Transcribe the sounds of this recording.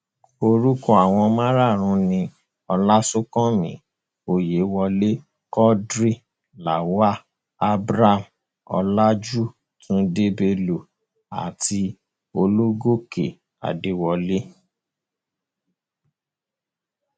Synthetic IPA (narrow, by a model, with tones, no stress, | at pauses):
o˧ɾu˦kɔ˦a˨w̃ɔ̃˧mã˦ɾa˦˨ɾ̃ũ˧˦nĩ˧ | ɔ˧la˦sũ˦kɔ̃˦mĩ˨˦ | o˨je˨˦wɔ˧le˦ | kɔ˦dɾi˦ | la˨wa˦ | a˦bɾa˦˨m | ɔ̰˧la˦d͡ʒu˦ | tʰũ˦de˦be˧lo˨ | a̰˨tʰi˧ | o˧lo˦ɡo˦kḛ˨ | a̰˨de˨˦wɔ˧le˦